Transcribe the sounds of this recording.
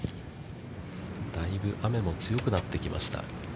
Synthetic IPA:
d̪̥aibɯ̟ʔame̞mo̞t͡sɨjo̞kɯ̟nat̪ːe̞kʲimʔa̰ɕi̥t̪a̰

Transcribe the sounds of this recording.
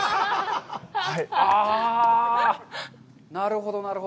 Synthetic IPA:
haia | naɾɯ̟ɦo̞d̪onaɾɯ̟ɦo

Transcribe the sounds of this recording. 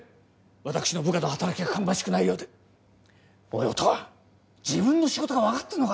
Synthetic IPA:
βat̪akɯ̥ɕino̞bɯkat̪ohat̪aɾakʲiɡakʰãmbãɕi̥kɯnaijo̞ːd̪e | ojot̪oβa | d͡ʑibɯ̟̃nːo̞ɕiɡo̞t̪o̞ɡaβakat̪ːanoɡa

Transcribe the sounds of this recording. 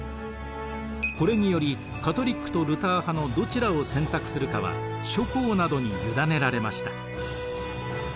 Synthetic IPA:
ko̞ɾe̞ɲ̟ijo̞ɾʲi | kat̪o̞ɾʲikːɯ̥t̪o̞ɾɯ̟t̪aːhano̞d̪o̞t͡ɕiɾao̞sẽ̞nt̪akɯ̟̥sɨɾɯ̟kaβa̰ | ɕo̞ko̞ːnad̪o̞ɲ̟ijɯd̪ane̞ɾaɾe̞maɕi̥t̪ḁ

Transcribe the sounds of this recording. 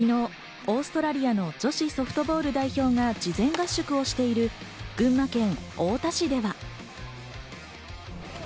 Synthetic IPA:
ino̞ | oːsɨ̥t̪o̞ɾaɾʲijano̞d͡ʑo̞ɕiso̞ɸɯ̟̥t̪o̞bo̞ːɾɯ̟d̪aiço̞ːŋad͡ʑizẽ̞ŋɡaɕːokɯ̟o̞ɕi̥t̪e̞iɾɯ̟ | ɡ̥ɯ̟̃mːakẽ̞ŋo̞ːt̪aɕid̪e̞βa

